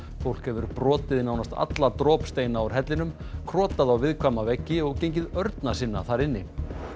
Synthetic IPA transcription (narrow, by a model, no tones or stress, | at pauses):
fowl̥khɛvʏɾpɾɔːt̪ɪðɪnawnast̪a̰t̪lat̪ɾɔːpst̪eːjnaɔɾ̥ɦɛt̪lɪnʏm | kʰɾɔːt̪aðawvɪðkʰvaːmavɛcːɪɔɣcejɲc̬ɪðœɾt̪nasɪnːa̰θaɾɪnːɪ